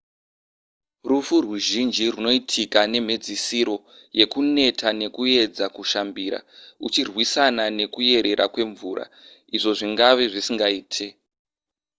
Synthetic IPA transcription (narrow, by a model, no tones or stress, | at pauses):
rufuruʒind͡ʒiruno̞itʰikane̞m̤ed͡zisiɾo̞ | je̞kune̞tʰane̞kue̞d͡zakuʃambiːɾa̰ut͡ʃirwisanane̞kuje̞ɾe̞ɾʔa̰kwe̞ɱvuːɾa̰ | iʐo̞ʐiŋɡaʋe̞ʐisiŋɡaiːtʰe